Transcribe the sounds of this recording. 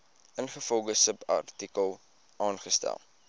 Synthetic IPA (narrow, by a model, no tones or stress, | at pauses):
ənχəfɔlˠdəsəpɐ̰rtikəlˠ | ɑːnχəstæ̰lˠ